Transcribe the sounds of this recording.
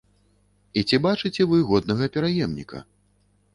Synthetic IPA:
it͡sʲibat͡ʂɨt͡sʲɛvɨɣɔd̪̚nɐɣɐpʲɛɾajɛmnʲḭkʰɐ̰

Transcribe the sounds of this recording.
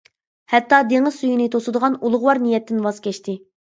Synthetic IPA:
hɛt̪ːɑd̪eŋɪzsujinɨt̪ʰosɨd̪əʁɑnulˠʊʁwɑɾnijɛt̪ʰːɪnwɑz̥kʲɛʃt̪ʰɪ

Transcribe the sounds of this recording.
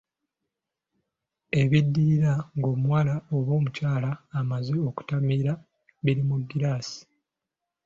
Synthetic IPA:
e̞βidːiːɾaŋɡo̞ːmwalao̞βo̞ːmucaːlaːmazeoku̥tamiɾa | βiɾimuɡːiɾaːsi̥

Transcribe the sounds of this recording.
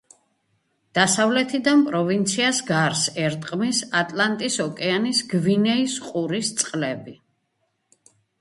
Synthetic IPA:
d̪̥asavlɛt̪ʰid̪anpʼɾɔvint̪sʰiasɡaɾsɛɾt̪ʼqʼmisat̪ʼlant̪ʼisɔkʼɛanisɡvinɛisqʼuɾist̪sʼqʼlɛbi

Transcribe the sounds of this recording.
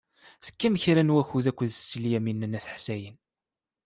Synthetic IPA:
θə̥kːæmçɾænwæçuðækʷːðsːliæminːənːæθħsæjən

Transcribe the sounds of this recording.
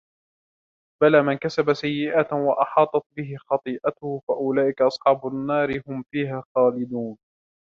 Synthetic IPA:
balaːmɪnkasabasajːɪʔaːt̪wɑʔɑħɑːt̪ˤɑt̪̚bɪɦɪxɑt̪ˤɨːʔat̪ʊhʊfaʔʊlaːʔɪkaʔɑsˤħɑːbʊnːɑːɾɪhʊmfiːɦaːxɑːlɪd̪uːn

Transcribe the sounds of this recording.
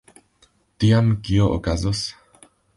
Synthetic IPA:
t̪iamkioʔo̰kazos

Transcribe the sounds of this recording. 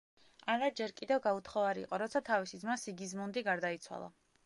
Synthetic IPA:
aɾad͡ʒɛɾkʼid̪ɛvɡaut̪ʰχɔvaɾḭːqʼɔɾɔt̪sʰat̪ʰavisid̪zmasiɡizmund̪iɡaɾd̪ait̪sʰwa̰lˠa̰

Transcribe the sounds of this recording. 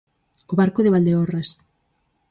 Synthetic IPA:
oβaɾkoðeβ̞ald̪eɔras

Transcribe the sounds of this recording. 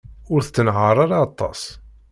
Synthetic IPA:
ʊɾθt͡sːənʕəɾˤaɾaːt̪ˤːɑ̰s

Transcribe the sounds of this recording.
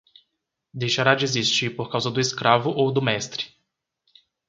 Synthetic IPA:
d̪ejʃaɾad͡ʒɪezist͡ʃiɾpoɾkawzɐd̪ʊeskɾavʊʔowd̪ʊmɛst̪ɾɪ̥

